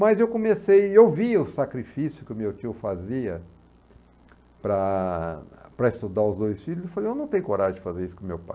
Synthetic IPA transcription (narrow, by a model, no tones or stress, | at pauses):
mɐzewkõmesejewviʊsakɾifisjʊkɪʊmewt͡ʃiʊfaziɐ | pɾɐ | pɾɐist̪ud̪aʊzd̪ojsfilʊzefalejewnɐ̃w̃t̪ẽjʊkoɾaʒẽd͡ʒɪfazeɾisʊ̥kõmewpa̰j